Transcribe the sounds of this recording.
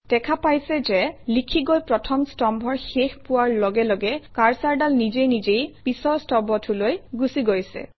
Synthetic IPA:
d̥ɛkʰapajsɛzɛlikʰiɡojpɹɔtʰɔmstɔmbʱɔɹxexpʊwaɹlɔɡɛlɔɡɛkaɹsaɹdalnizejnizejpisɔɹstɔbɔtʰulojɡusiɡojsɛ̰

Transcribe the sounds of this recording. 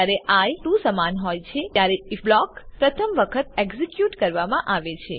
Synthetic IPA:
aɾeʔajʈũsəmanɦojt͡ʃʰet̪jaɾeiblɔkpɾət̪ʰəmʋəkʰət̪̚ɛɡzikjuʈkəɾʋamãʔaʋet͡ʃʰe

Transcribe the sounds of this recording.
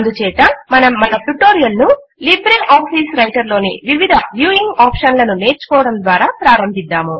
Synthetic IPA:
nd̪ut͡ʃɛːt̪ɐmɐnɐmmɐnɐpuʈːoːɾijɐlnu | libɾinaːpʰisɾɐjʈɐɾlo̞ːnḭʋiʋid̪ʱɐʋjuːiŋɡaːpʂɐnlɐnune̞ːɾt͡ʃu̥kɔːʋɐɽɐmd̪ʋaːɾaːpɾaːɾɐmbʱid̪ːaːmu

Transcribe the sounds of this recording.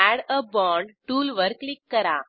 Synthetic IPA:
æɽəbɔːɳɖʈuːlʋəɾklikːɐɾaː

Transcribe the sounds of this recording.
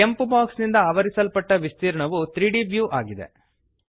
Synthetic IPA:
ke̞mpubaːksnind̪ɐaːʋɐɾisɐlpɐʈːɐʋist̪iːɾɐɳɐʋut̪ɾiːɖibjuːʔaːɡid̪ḛ

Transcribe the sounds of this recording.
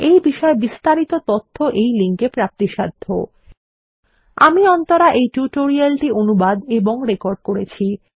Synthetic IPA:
ejbiʃɔebist̪aɾit̪ot̪ot̪ʰːoʔejliŋkepɾap̚t̪iʃad̪ʱːo | a̰miɔnt̪oɾaʔejʈuʈoɾialʈionubad̪eboŋɾekoɾɖ̚koɾet͡ɕʰi

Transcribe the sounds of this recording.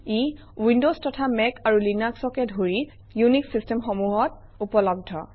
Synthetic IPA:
i | windostɔtʰamɛkaɹulinaksɔkɛdʱoɹi | juniksistɛmxomuɦɔt | upɔlɔb̚dʱɔ

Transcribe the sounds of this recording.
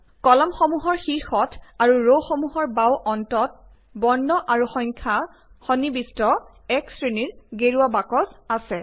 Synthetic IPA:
kɔlɔmxɔmuɦɔɹxiɹxɔtʰaɹuɹowxɔmuɦɔɹbawʔɔntɔt̚ | bɔnːɔʔaɹuxɔjŋkʰa | xɔnibistɔ | ɛksɹiniɹɡeɹuabakɔzasɛ

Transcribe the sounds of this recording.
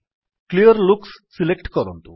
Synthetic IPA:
klijɐɾlukssilekʈkɐɾont̪u

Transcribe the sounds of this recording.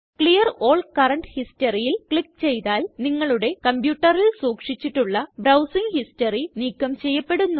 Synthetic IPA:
kɭijɐroːɭkɐrɐɳɖhistɐrijilkɭik̚ːt͡ɕe̞jt̪aːlniŋːɐɭuɽe̞kɐmpjuːʈːɐrilsuːkʂit͡ɕːiʈːuɭːɐbɾɐwsiŋɡhisʈɐriniːkːɐmt͡ɕe̞jːɐpːe̞ɽunː

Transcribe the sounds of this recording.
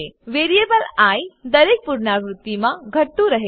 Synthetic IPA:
ʋeːɾijebəlaːjd̪ɐɾek̚puɾɳaʋɾʊt̪ːimãɡʱəʈt̪ũɾɐɦe

